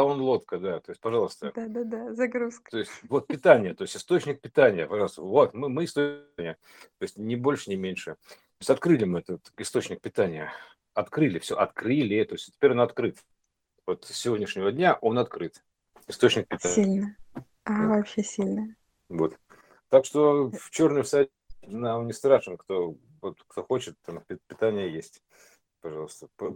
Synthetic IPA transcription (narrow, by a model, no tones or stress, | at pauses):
onlˠo̞t̪kəd̪at̪o̞ɪsʲtʲpɐʐɑlˠəst̪əd̪ad̪ad̪azɐɡɾuskət̪o̞ɪsʲtʲvo̞t̪̚pʲɪt̪anʲɪjət̪o̞ɪsʲtʲɪ̥st̪o̞t͡ɕnʲɪk̚pʲɪt̪anʲɪjəpɐʐɑlˠst̪əvo̞t̪mɨmɨɪst̪onʲɪjə | t̪oɪsʲtʲnʲɪbo̞lʲʂɨnʲɪmʲenʲʂɨt̪oɪsʲtʲɐt̪kɾɨlʲɪmɨɛt̪ət̪ɪst̪o̞t͡ɕnʲɪk̚pʲɪt̪anʲɪjə | ɐt̪kɾɨlʲɪfsʲo̰ʔɐt̪kɾɨlʲɪt̪o̞ɪsʲtʲɪ̥pʲeɾʲonɐt̪kɾɨt̪ | vo̞t̪sʲɪvʲodʲnʲɪʂnʲɪvədʲnʲaʔo̞nɐt̪kɾɨt̪ | ɪst̪ot͡ɕnʲɪk̚pʲɪt̪ailʲnə | avɐpɕesʲilʲnəjə | vot̪ | t̪akʂt̪o̞ft͡ɕo̞rnʊjʊsatʲnamnʲɪst̪ɾaʂɨnkt̪o̞ | vot̪kt̪o̞xo̞t͡ɕɪt̪ːampʲɪpʲɪt̪anʲɪjəjesʲtʲ | pɐʐɑlˠəst̪əpə